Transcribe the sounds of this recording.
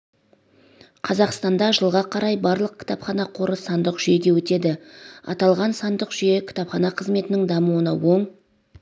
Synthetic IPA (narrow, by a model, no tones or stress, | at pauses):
qʰɑzɑqst̪ɑnd̪ɑʒəlˠʁɑqʰɑɾɑjbɑɾlˠəq̚kʲʰɪ̥t̪ɑpχɑnɑqʰo̞ɾəsɑnd̪əqʒ̥ʏje̞ɡʲe̞wɵt̪e̞d̪ɪɑ̰t̪ɑlˠʁɑnsɑnd̪əqʒ̥ʏjekʲʰɪ̥t̪ɑpχɑnɑqʰəzme̞t̪ɪnɪŋd̪ɑmuwənɑwo̞ɴ